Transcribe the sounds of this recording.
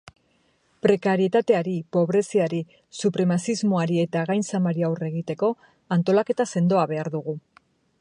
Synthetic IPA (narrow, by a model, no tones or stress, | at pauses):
pɾe̞kaɾie̞t̪at̪e̞aɾipo̞β̞ɾe̞siaɾi | supɾe̞masizmo̞aɾie̞t̪aɣajnsamaɾiawre̞ɣit̪e̞ko̞ | ant̪o̞lake̞t̪ase̞nd̪o̞aβe̞aɾðuɣ̞u